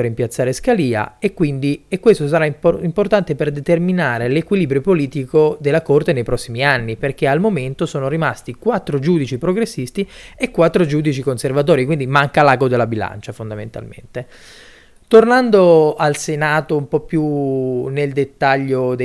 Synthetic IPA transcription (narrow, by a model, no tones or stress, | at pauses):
eɾimpjat̪sːaːɾeskaliːa̰ekːwind̪iekːwest̪os̬aɾaimport̪ant̪eperd̪et̪erminaːɾelekwiliːbɾjopoliːt̪ikod̪elːakort̪enejpɾɔsːimianːiperkealmoment̪osoːnoɾimast̪ikwat̪ːɾod͡ʒuːd̪it͡ʃipɾoɡɾesːist̪iekːwat̪ːɾod͡ʒuːd̪it͡ʃikonservat̪̬ɔːɾikwind̪imaŋkalaːɡod̪elːabila̰nt͡ʃafond̪amḛnt̪a̰lmḛnt̪e | t̪ornand̪oalsenaːt̪oumpɔpːjuneld̪et̪ːaʎːod̪e